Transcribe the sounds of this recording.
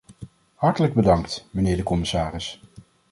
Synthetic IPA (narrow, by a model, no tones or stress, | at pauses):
hɑɹtələɡ̚bədɑŋktmənɪːɹdəkɔmɪsaːrɪs